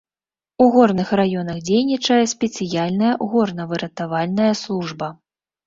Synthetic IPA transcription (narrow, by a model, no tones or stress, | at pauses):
uɣɔrnɨxrajɔn̪ɐxd͡zʲejnʲit͡ʂɐjɛsʲpʲɛt̪sɨjalʲnɐjɐɣɔrnɐvɨɾɐt̪avalʲnɐjɐslˠuʐbɐ